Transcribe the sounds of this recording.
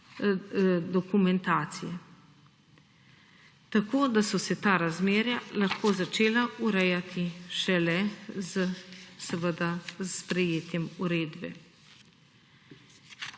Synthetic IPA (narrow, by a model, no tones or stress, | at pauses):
d̪ɔkumɛnt̪aːt̪sijɛ | t̪akoːd̪asɔsɛt̪aːɾazmeːɾjalaxkoːzat͡ʃeːlaʔuɾɛjat̪ʰiʃɛlɛzəsɛʋəd̪aspɾɛjeːt̪jɛmuɾeːd̪bɛ̰